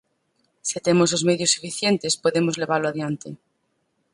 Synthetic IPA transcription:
sit̪emosozmeðjosːufiθjent̪espoðemozleβaɾloaðjant̪ḛ

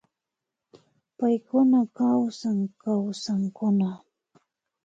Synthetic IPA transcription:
pajkʊnakawsaŋkawsaŋkʊna

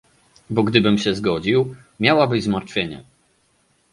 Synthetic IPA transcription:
bɔɡd̪ɘbɘmɕɛzɡɔd͡ʑiw | mʲjawabɘzmaɾt̪fʲjeɲɛ̰

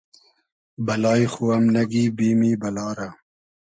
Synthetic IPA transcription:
bɐlɑːjxuɐmnɐɡibiːmiːbɐlɑːɾa

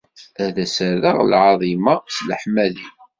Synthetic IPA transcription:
æðæsəɾðəʁlʕɑðˤimɑsləħmæli

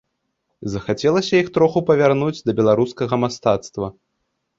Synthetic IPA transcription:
zɐxat͡sʲɛlˠɐsʲɐjixt̪ɾɔxupɐvʲarnud͡zʲd̪ɐbʲɛlˠaɾuskɐɣɐmast̪at̪st̪vɐ

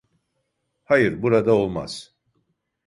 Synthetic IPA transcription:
hajɯɾbuɾad̪ao̞lˠma̰z̥

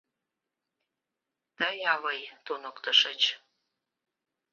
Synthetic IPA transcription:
t̪əjɑβəjt̪onəkt̪əʃət͡ɕ

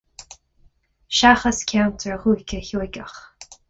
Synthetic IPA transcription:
ʃaxəskʲʰawntʰəɹəhuːkʰʲəçuɡəx

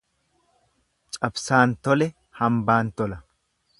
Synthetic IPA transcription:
t͡ʃʼɐbsaːnt̪ɔlɛ | hɐmbaːnt̪ɔlɐ

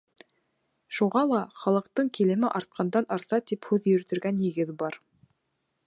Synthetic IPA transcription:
ʃuʁɑlˠɑχɑlˠɤ̆qt̪ɤɴkilɘ̆mɘʔɑɾt̪̚qʰɑnd̪ɑnʔɑɾt̪ɑt̪iphʉðjɵ̆ɾt̪ɵ̆ɾɡænjɘ̆ɡɘðbɑɾ

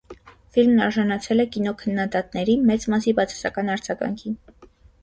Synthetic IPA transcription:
filmnɑɾʒɑnɑt͡sʰɛlɛkinɔkʰənːɑd̪ɑt̪nɛɾimɛt͡smɑsibɑt͡sʰɑ̥sɑ̰kɑnɑɾd͡zɑɡɑ̰ŋkʰin

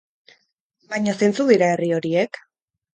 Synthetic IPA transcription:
bajɲose̞nt͡suðiɾae̞rio̞ɾie̞k

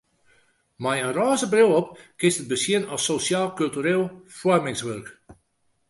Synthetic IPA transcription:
majənraːzəbrɪlˠɔpkɪstəd̚bəsjɪənɔsosjaːlˠkylˠtyɾeːlˠfwɔrmɪŋsʋørk

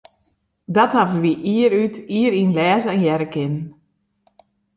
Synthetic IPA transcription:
dɔthavəʋiʔiəɾytiəɾinlɛːzɛnjɛɾəkʰɪnn

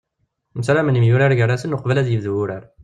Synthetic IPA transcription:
məsɾamənimjuɾaɾʝəɾˤːasənʊqvælæðjəvðuʊɾæɾ

